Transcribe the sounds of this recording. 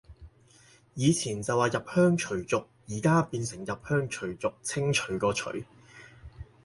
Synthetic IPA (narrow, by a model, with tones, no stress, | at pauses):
jiː˨˧t͡sʰiː˨˩nt͡sɐ˨waː˨˩jɐ˨p̚hœː˥ŋt͡ʃʰɵ˨˩ɥt͡sʊ˨k̚jiː˨˩kaː˥piː˧nsɪ˨˩ŋjɐ˨p̚hœː˥ŋt͡ʃʰɵ˨˩ɥt͡sʊ˨k̚t͡sʰɪ˥ŋt͡ʃʰɵ˨˥˩ɥkɔː˧t͡ʃʰɵ̰˨˥ɥ